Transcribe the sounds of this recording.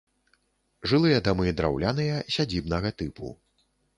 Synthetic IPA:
ʐɨlˠɨjɐd̪amɨd̪ɾa̰wlʲanɨjɐsʲad͡zʲibnɐɣɐt̪ɨpṵ

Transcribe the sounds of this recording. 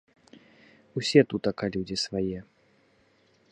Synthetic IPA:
usʲɛt̪ut̪ɐkalʲud͡zʲisvajɛ

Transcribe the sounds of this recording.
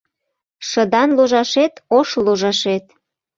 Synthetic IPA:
ʃəd̪ɑnloʒɑʃet̪oʃloʒɑʃet̪

